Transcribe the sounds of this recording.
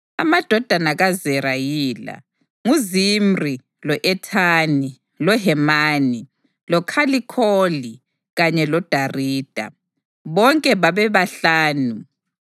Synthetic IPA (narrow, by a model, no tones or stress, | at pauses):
a̰mad̥ʱɔd̥ʱanaɣazɛɾajiːla̰ | ŋuzimri | lɔʔɛtʰani | lɔɦɛmaːni | lɔkʰalikʰoli | ɣaɲɛlɔd̥ʱariːd̥ʱa̰ | βɔŋkʼɛβaβɛβaɬaːnu